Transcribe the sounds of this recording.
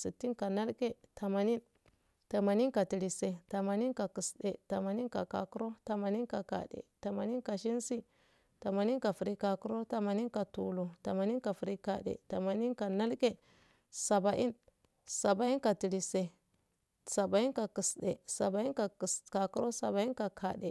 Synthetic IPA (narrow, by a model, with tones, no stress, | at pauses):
si˨tːi˦nka˨na˦lke˦ta˨ma˨ni˦n | ta˨ma˨ni˦nka˨ti˨ɾi˨se˨ta˨ma˨ni˦nka˨ki˨sɗḛ˨ta˨ma˨ni˦nka̰˨ka̰˨ku˦ɾo˦ta˨ma˨ni˦nka˨ka̰˨dḛ˨ta˨ma˨ni˦nka˨ʃi˦nsi˦ | ta˨ma˨ni˦nka˨fu˨ɾi˦ka˨ku˦ɾo˦ta˨ma˨ni˦nka˨tu˨lo˨ta˨ma˨ni˦nka˨fi˨ɾi˦ka˨dḛ˨ta˨ma˨ni˦nka˨na˦lke˦ | sa˨ba˨ʔi˦n | sa˨ba˨i˦nka˨ti˨ɾi˨se˨ | sa˨ba˨i˦nka˨ki˨sde˨sa˨ba˨i˦nka˨ska˨ku˦ɾo˦sa˨ba˨i˦ka˨kʰa˨ɗe˨